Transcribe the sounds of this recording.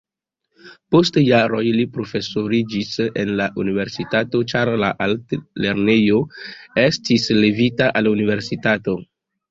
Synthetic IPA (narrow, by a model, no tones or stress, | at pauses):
po̞stjaɾo̞jlipɾo̞fe̞so̞ɾid͡ʒise̞nlaʔunive̞ɾsitato̞t͡ʃaɾlaʔaltle̞ɾne̞jo̞e̞stislevitaʔalunive̞ɾsitato̞